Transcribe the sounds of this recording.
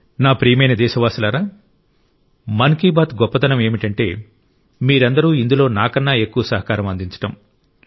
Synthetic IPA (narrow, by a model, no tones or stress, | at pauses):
naːpɾiːjɐmɐjnɐd̪ɛːʃɐʋaːsɐlaːɾaː | mɐnkiːbaːt̪ɡɔpːɐt̪ɐnɐme̞ːmiʈɐɳʈe̞ː | miːɾɐnd̪ɐɾuːind̪ulo̞ːnaːkɐnːaːe̞kːuʋɐsɐɦɐkaːɾɐmɐnd̪iɲt͡ʃɐ̥ʈɐm